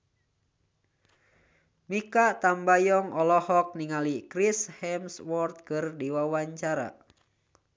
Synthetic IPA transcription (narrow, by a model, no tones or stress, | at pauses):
mikaʔt̪ambajɔŋɔlɔhɔk̚niŋalikɾishɛmswɔrt̪̚kɨrdiwawaɲt͡ʃaɾa̰